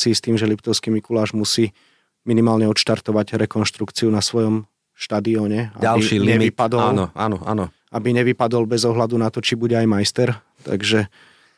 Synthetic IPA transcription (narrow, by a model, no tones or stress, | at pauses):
sist̪iːmʒɛlipt̪ɔʊskiːmikulaːʒmusiː | minimaːlɲɛɔt̪ʃt̪aɾt̪ɔʋaɟɾɛkɔnʃt̪ɾukt͡siunasʋɔjɔm | ʃt̪ad̪iɔːɲɛa̰aliiːlɲɛipad̪ɔlnɔa̰ːnɔʔa̰ːnɔ | ʔabiɲɛʋipad̪ɔlbɛzɔɦlad̪unat̪ɔt͡ʃibuɟɛajmajst̪ɛɾ | t̪a̰ɡʒɛ